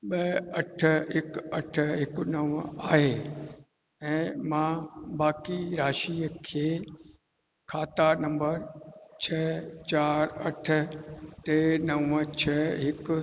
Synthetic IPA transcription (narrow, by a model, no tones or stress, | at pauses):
ɓɐɐʈʰəɦɪkɐʈʰəɦɪknɐʋəaːɦeː | ɛ̃ːmãːbaːkiɾaːʃiːəkʰeː | kʰaːt̪anɐ̃mbəɾt͡ɕʰɛːt͡ɕaːɾɐʈʰə̆t̪eːnɐʋət͡ɕʰɛɦɪk